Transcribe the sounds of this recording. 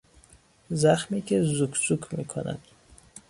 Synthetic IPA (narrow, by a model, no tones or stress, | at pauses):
zæxmiːcʰezukʰz̥ukʰmḭːkʰo̰næ̰d̪̥